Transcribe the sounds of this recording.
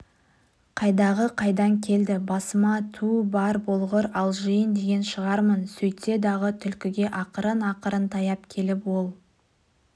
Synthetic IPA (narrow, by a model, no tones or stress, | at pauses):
qʰɑjd̪ɑʁəqʰɑjd̪ɑŋkʲʰe̞ld̪ɪbɑsəmɑt̪ʰubɑɾbolˠʁəɾɑlˠʒəjənd̪e̞ɡʲe̞nʃəʁɑɾmənsɵjt̪e̞d̪ɑʁət̪ʰʏlkʲɪɡʲe̞ʔɑqəɾənɑqəɾənt̪ʰɑjɑp̚kʲʰe̞lɪpwo̞lˠ